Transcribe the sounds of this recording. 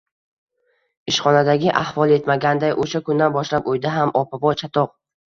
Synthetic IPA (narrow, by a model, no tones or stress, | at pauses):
ɪʃχɒnad̪aɡʲɪʔahvɒlˠe̞t̪maɡʲand̪ajʔoʃakʊnd̪anbɒʃlapojd̪aɦamʔɒpabɒt͡ʃʰat̪ʰɒq̚